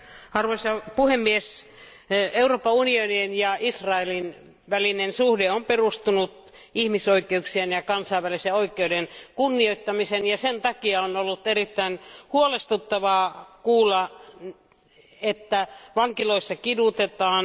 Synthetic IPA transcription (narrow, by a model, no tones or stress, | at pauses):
ɑrʋoisɑpuhemːies | euroːpːɑunionienjɑisrɑelin | ʋælinensuhdeomperust̪unut̪ | ihmisoikˑeuksienjɑkɑnsɑiʋːæliseoikːˑeudenkunːioit̪ːɑmisenjɑsent̪ɑkiɑonolːut̪erit̪ːæinhuolest̪ut̪ːɑʋɑːkuːlːɑ | et̪ːæʋɑŋkiloisːɑkidut̪et̪ɑːn